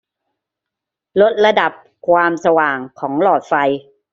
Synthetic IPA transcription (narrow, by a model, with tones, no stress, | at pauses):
lo˦˥t̪̚ɾa˧da˨˩p̚ | kʰwaː˧msa˧waː˨˩ŋkʰɔː˩˦ŋlɔː˨˩t̪̚fa˧j